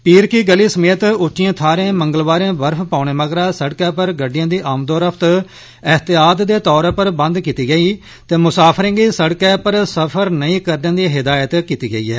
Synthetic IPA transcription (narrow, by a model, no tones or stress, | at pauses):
piːɾkiːɡəliːsəmeːt̪ʊt͡ʃːʃijãːt̪ʰaːɾẽːməŋɡəlʋaːɾẽːbəɾpʰpãːʊɳ̃eːməɡɾaːsəɽkɛ̃ːpəɾɡəɖɪjãːd̪iːʔaːmd̪oːɾəpʰt̪ | ɪɦt̪ɪjaːd̪d̪eːt̪ɔːɾpəɾbə̃nd̪kiːt̪iːɡəiː | t̪eːmʊsaːpʰɾẽːɡiːsəɽkɛːpəɾsəpʰəɾnəĩːkəɾdẽːd̪iːɦɪd̪aːjət̪kiːt̪iːɡəḭːɛ̰ː